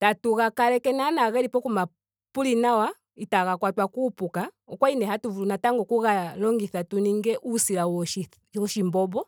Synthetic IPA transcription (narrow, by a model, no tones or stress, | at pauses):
tatuɣakalɛkɛnanaɣɛlipɔkuma | pulinawa | itaɣakwatwakuːpuka | ɔkwainɛɦatuvunataŋɡɔkuɣalɔŋɡiθatuniŋɡɛʔusilauʃi | ɔʃimbɔbɔ